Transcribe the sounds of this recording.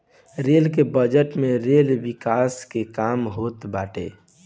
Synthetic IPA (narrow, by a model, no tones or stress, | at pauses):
ɾelkebəd͡ʒəʈmẽɾelʋikaːskekaːmɦoːt̪baːʈḛ